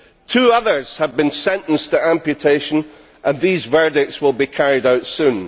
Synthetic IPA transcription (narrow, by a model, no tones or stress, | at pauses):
tʰʉːʌðə˞z̥həvbĩnsɛ̃nʔə̃n̩stʰəãmpjɨtʰeʃə̃n | ʔə̃nðizvɜ˞dɪk̚tswɪlˠbikʰaɹɪdaʊtsʉ̃n